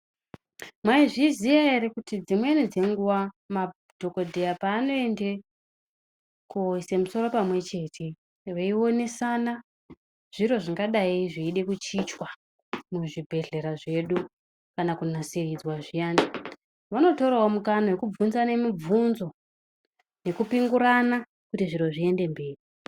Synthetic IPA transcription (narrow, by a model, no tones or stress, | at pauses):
mwaiʐizijaeɾekutid͡zimwe̞nid͡ze̞ŋɡuwa | ma | d̥ʱo̞ko̞dʱejapaːno̞e̞nde | kuisemuso̞ro̞pamwe̞t͡ʃe̞ːtʰe̞ | ʋeio̞ne̞sana | ʐ̥iro̞ʐiŋɡaɗaiʐiiɗe̞kut͡ʃit͡ʃwa | muʐibʱe̞ɮe̞ɾaʐe̞ɗu | kanakunaserid͡zwaʐijaːnda | ʋano̞to̞ɾawomukanawe̞kub͡vunzane̞mib͡vunzo̞ | ne̞kupiŋɡuɾana | kutiʐiɾo̞ʐie̞nde̞mbe̞ːri